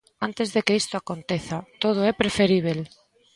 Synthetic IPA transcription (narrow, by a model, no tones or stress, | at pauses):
ant̪ezðekeist̪oakont̪eθat̪oð̞ʊɛpɾefeɾiβ̞el